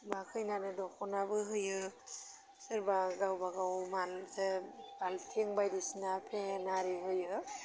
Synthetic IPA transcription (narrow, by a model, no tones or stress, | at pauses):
bakʰɯjnanɯdɔkʰɔnabɯɦɯjɯ | sɯɾbaɡawbaɡawmalsebalpʰeŋbajdisinapʰenaɾiɦɯjɯ